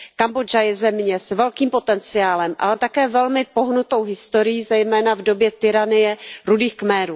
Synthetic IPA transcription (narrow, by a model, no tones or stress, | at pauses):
kambod͡ʒajɛzɛmɲɛsvɛlkiːmpo̞t̪ɛnt͡sɪjaːlɛmʔa̰lɛt̪akɛːvɛlmɪpo̞ɦnut̪o̞wɦɪst̪o̞ɾɪjiːzɛjmɛːnavdo̞bjɛt̪ɪɾanɪjɛɾudiːxkmɛːɾuː